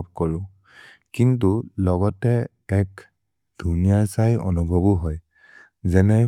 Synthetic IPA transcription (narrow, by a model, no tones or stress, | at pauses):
p̚kɔɹʊ̃ | kintulɔɡɔtɛ | ɛk | d̥ʱunijaɹsajɔ̰nubʱɔbuɦɔj | zɛnɛ